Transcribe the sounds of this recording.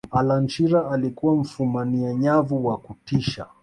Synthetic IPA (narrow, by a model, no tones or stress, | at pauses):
alant͡ʃiɾaalikuwam̩fumaniaɲavuwakutiʃa̰